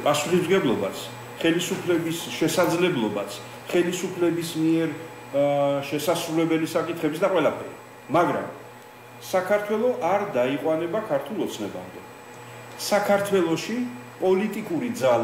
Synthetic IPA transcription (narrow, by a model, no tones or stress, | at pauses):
pʼasuχismɡɛblˠɔbat̪sʰ | χɛlisupʰlɛbisʃɛsad̪zlɛblˠɔbat̪sʰ | χɛlisupʰlɛbismiɛɾ | ʃɛsasɾulɛbɛlisakʼit̪ʰχɛbisd̪aqʼwɛlˠapʰɛɾi | maɡɾa̰m | sakʰaɾt̪ʰwɛlˠɔʔaɾd̪aiqʼwanɛbakʰaɾt̪ʰulˠɔt̪sʰnɛba̰md̪ɛ | sakʰaɾt̪ʰwɛlˠɔʃipʼɔlit̪ʼikʼuɾid̪zal